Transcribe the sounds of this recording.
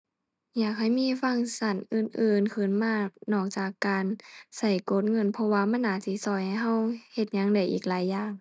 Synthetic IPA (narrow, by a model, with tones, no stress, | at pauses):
jaː˨˩k̚ha˧˩jmiː˧˥˨fa˧˥˨ŋsa˧˩nʔɯː˨˩nʔɯː˨˩nkʰɯ˧˩˨nmaː˧˩˨nɔː˧˩k̚t͡ɕaː˨˩kːaː˨nsa˧˩jko˧˦˥t̪̚ŋɤ˧˥˨npʰɔ˧waː˧ma˧˥˨nːaː˧˩si˧˦sɔː˧˩jha˧˩jɦa˧˥˨whe˧t̪̚ɲa˧˥˨ŋda˧˩jʔḭː˨˩k̚laː˨˦jːaː˨˩ŋ